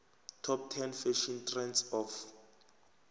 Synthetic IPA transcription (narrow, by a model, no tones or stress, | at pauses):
tʰɔp̚tʰɛnfɛʃɔntʰrɛnsɔf